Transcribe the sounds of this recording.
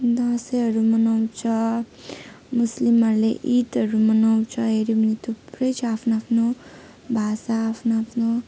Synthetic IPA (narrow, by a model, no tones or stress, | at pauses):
d̪ʌ̃sʌɦʌɾumʌnawt͡sʰʌ | muslimʌɾleʔit̪ɦʌɾumʌnaw̃t͡sʰʌɦeɾibʌnit̪ʰuprʌjt͡sʰʌapʰnoapʰno | bʱasaːpʰnoapʰno